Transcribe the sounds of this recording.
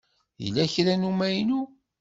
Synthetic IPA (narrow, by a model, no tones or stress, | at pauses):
jə̰lːæçɾænumæjnu